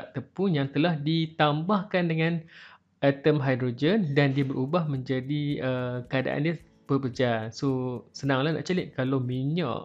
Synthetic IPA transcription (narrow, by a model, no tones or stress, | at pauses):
ʔt̪əpunjaŋt̪əlahdit̪ambahkandəŋãn | at̪əmɦajdɾod͡ʒəndandiabəɾubahmə̃ɲd͡ʒadiəkəada̰ʔa̰ndiə | pəbəd͡ʒasosənaŋlahna̰ʔt͡ʃalɪt̪̚kalawmiɲã̰ʔ